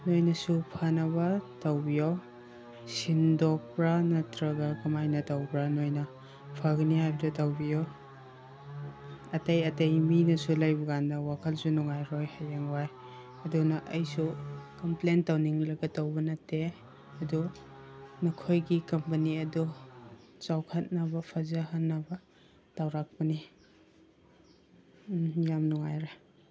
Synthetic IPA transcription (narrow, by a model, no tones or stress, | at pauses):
nojnɐsupʰanɐβɐtɐwbijo | sindok̚pɾanɐtɾɐɡɐkɐmajnɐtɐwpɾanojnɐ | pʰaɡnihajbɐdutawbijo | ɐtɐjɐtɐjminɐsulɐjbɐɡandɐwakʰɐlsunuŋajɾojhajleŋwaj | ɐdunɐʔɐjsukɐmplentawniŋlɐɡɐtawbɐnɐte | ɐdu | nɐkʰojɡikɐmpɐniɐdu | t͡ʃawkʰɐt̚nɐbɐpʰɐzaɦɐnːɐbɐ | d̥awɾak̚pɐni | jamnuŋajɾa